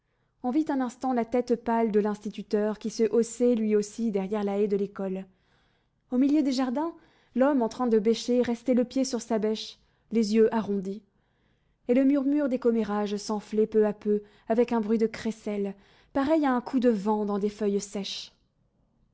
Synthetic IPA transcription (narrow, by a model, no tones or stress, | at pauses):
ɔ̃vit̪ɛ̃nɛ̃st̪ɑ̃lat̪ɛt̪pald̪əlɛ̃st̪it̪yt̪œʁkʲisəʔosɛlɥiosid̪ɛʁjɛʁlaɛd̪əlekɔl | omiljød̪eʒaʁd̪ɛ̃ | lɔmɑ̃t̪χɛ̃d̪əbɛʃeʁɛst̪ɛləpjesyʁsabɛʃ | lezjøʔaʁɔ̃d̪i | eləmyʁmyʁd̪ekɔmeʁaʒsɑ̃flɛpøapø | avɛkɛ̃bʁɥid̪əkχesɛl | paʁɛjaɛ̃kʰud̪əvɑ̃d̪ɑ̃d̪efœjsɛʃ